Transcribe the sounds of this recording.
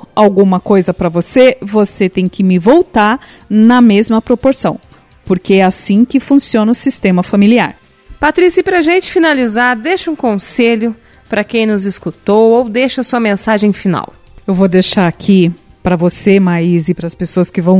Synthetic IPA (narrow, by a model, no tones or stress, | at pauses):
awɡũmɐkojzɐpɾɐvosevoset̪ẽj̃kɪmɪvowt̪aɾ | nɐmezmɐpɾopoɾsɐ̃w̃ | poɾkeɛasĩkɪfũsiõnɐʊsist̪ẽmɐfamilia̰ɾ | pat̪ɾisiɐpɾɐʒẽnt͡ʃɪ̥finalizaɾd̪ejʃɐũkõseʎʊ | pɾɐkẽj̃nʊziskut̪owowd̪eʃɐsuɐmẽsaʒẽj̃fina̰w | ewvod̪eʃaɾakʰi | pɾɐvosemaizɪpɾɐspesoɐskɪvɐ̃w̃